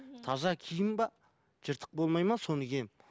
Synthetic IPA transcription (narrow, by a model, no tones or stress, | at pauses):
t̪ʰɑzɑkʲʰijɪmbɑ | ʒ̥əɾt̪ʰə̥q̚bo̞lˠmɑjmɑso̞nəɡʲe̞